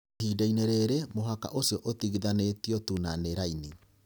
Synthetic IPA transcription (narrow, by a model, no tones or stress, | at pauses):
hidaineɾɛɾɛmoɦaka̰ʔosiɔʔotiɣiðanetiɔtunaneɾaini